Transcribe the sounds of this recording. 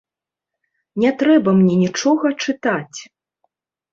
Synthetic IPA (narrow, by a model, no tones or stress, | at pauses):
nʲɛt̪ɾɛbɐmnʲɛnʲit͡ʂɔɣɐt͡ʂɨt̪at͡sʲ